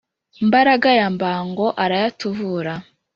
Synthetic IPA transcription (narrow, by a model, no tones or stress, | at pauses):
mbaɾaɡajambaːŋɡo̞ʔaɾajatuvuːɾa